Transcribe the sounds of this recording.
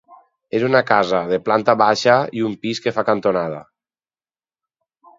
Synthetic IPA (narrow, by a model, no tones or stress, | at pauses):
ezunakazaðeplant̪aβaʃaiumpiskefakant̪onað̞a̰